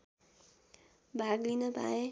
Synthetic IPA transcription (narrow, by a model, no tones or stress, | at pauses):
bʱaɡlinəba̰e